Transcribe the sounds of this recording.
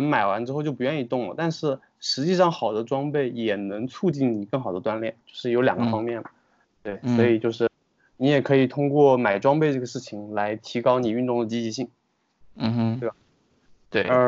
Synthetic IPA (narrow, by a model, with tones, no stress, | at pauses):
ŋma˨˩ɪwa˧˥nʈ͡ʂɻ̩˥xo˥˧t͡ɕo˥˩ʊpu˧˥ɥɛ˥˧ni˥˧˩t̪ʊ˥˩ŋlə̰˩t̪a˥˧nʂɻ̩˥˩ | ʂɻ̩˧˥t͡ɕi˥˧ʂɑ˥˩ŋxɑ˨˩ʊd̪ə˦ʈ͡ʂwɑ˥ŋpe˥˩ɪjɛ˨˩nɤ˧˥ŋt͡sʰu˥˧t͡ɕi˥˩nni˨˩kɤ˥˩ŋxɑ˨˩ʊd̪ə˦t̪wa˥nljɛ˥˩nt͡ɕjo˥˧ʊʂɻ̩˥˩jo˧˥ʊljɑ˨˩ŋɡə˦fɑ˥ŋmjɛ˥˩nmɐ˩ | t̪we˥˩ɪswɔ˧˥i˨˩t͡ɕjo˥˧ʊʂɻ̩˥˩ | ni˧˥jɛ˨˩kʰɤ˧˥i˨˩t̪ʰʊ˥ŋkwɔ˥˩ma˨˩ɪʈ͡ʂwɑ˥ŋpe˥˧ɪʈ͡ʂɤ˥˩ɡə˩ʂɻ̩˥˩t͡ɕʰi˨˩ŋla˧˥ɪt̪ʰi˧˥kɑ˥ʊni˨˩y˥˧t̪ʊ˥˩ŋd̪ə˩t͡ɕi˥t͡ɕi˧˥ɕi˥˩ŋ̩˥˩ | t̪e˥˩ba˨˩ | t̪we˥˩ɪə˧˥